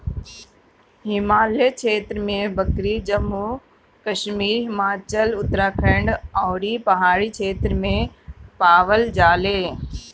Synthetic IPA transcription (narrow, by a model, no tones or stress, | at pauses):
ɦɪmaːlet͡ʃʰeːt̪ɾəmẽbɐkɾid͡ʒɐmuː | kɐʃmiːɾɦɪmaːt͡ʃəlʊt̪ɾãːkʰəɳɖɔːɾipɐɦaːɽit͡ʃʰeːt̪ɾmẽpaːʋəld͡ʒaːleː